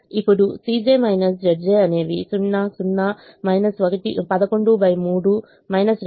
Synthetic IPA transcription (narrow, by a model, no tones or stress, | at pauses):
ipːuɽusiːd͡ʒeːmɐjnɐs̬d͡ʒɐɖd͡ʒeːɐne̞ːʋisunːasunːɐ | mɐjnɐsʋɐɡɐʈḭpɐd̪ɐko̞ɳɖubɐjmuːɽu | mɐjnɐsɾ